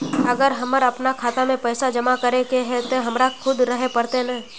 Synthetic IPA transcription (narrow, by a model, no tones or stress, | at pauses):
əɡəɾɦɐməɾɐpnakʰaːt̪amẽpɛːsad͡ʒɐmakəɾekeɦɛ̃t̪oɦɐmɾakʰʊd̪ɾɐɦepəɾt̪enɐ